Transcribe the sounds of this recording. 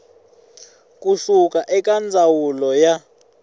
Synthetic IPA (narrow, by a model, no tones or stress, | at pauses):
k̬ʼusukʼaʔɛkʼand͡zʱawulɔja